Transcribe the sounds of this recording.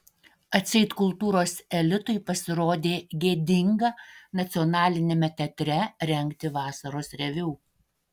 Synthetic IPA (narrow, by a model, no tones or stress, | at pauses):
ɐt̪ʲsʲɛɪt̪kʊlˠt̪uːɾoːsɛlʲɪt̪ʊjpɐsʲɪɾoːd̪ʲeːɡʲeːd̪ʲɪŋɡɐnɐt̪sʲɪɔnɑːlʲɪnʲeːmʲɛt̪ʲɛt̪ʲɾʲɛɾʲɛŋʲˑkt̪ʲɪʋɑːsɐɾoːsɾʲɛʋʲɛː